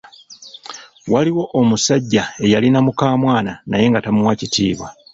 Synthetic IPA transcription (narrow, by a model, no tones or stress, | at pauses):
waliwo̞ʔomusaɟːae̞jalinamukaːmwaːnanaje̞ŋɡatamuwacitḭːβwa